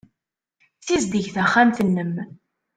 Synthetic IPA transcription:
t͡sːizd̪əʝθæχːamθənːəm

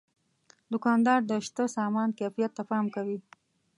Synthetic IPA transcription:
d̪ʊkɑnd̪ɑɾd̪əʃt̪əsɑmɑnkefijat̪ːafɑmkawi

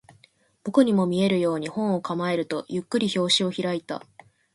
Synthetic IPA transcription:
b̥okɯɲ̟imo̞mʲie̞ɾɯ̟jo̞ːɲ̟ihõ̞ɰ̃o̞kamae̞ɾɯ̟t̪o̞jɯkːɯ̟ɾʲiço̞ːɕio̞çiɾait̪a̰

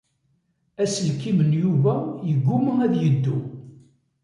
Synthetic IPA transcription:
æslkːimənjuvæjəɡʷːuməæðjəd̪ːu

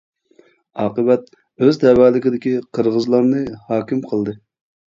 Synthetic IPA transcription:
ɑːqəbɛt̪̚ | øzd̪ɛwæːlɪkʲid̪ɪkʲiqʰəɾʁəzlˠɑɾnɨhɑːkʲimqʰəlˠd̪ɨ

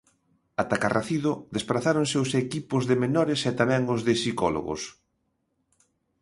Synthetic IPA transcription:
at̪akarʔaθiðʊd̪espɾaθaɾoŋsɪʊsekipʊzðɪmenɔɾɪsɛt̪amɛ̃ŋʊzðɪsikɔlo̰ɣʊ̰s

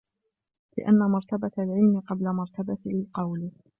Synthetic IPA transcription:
lɪ̰ʔa̰nːamɑɾˤt̪abat̪alʕɪlmɪqɑblamɑɾˤt̪abatlɪlqɑwl

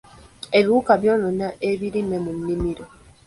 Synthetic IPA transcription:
eβukabjɔnɔnaʔeβiɾimɛmun̩ːimiɾo

